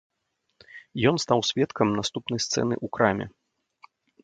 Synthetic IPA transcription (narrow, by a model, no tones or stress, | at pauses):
jɔnst̪awsʲvʲɛt̪kʰɐmnast̪upnɐjst̪sɛ̰n̪ɨ̰ʔukɾamʲɛ̰